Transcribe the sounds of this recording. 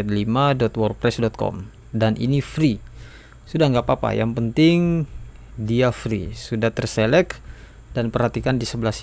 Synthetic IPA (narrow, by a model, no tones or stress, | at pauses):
ɛt̪̚limadɔt̪wɔr̚pɾɛsdɔt̪̚kɔ̰m | danʔḭnifɾi | sudahŋɡapapa̰jaŋpənt̪ɪŋ | diafɾḭsudaht̪ərselɛk | danpərhat̪ikandisəblas